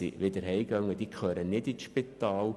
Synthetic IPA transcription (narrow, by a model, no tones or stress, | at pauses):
ḭʋɪd̪əɾɦɛjɡ̥œŋːəd̥̪ikχøːɾənɪdit͡sʃpit̪ɑːl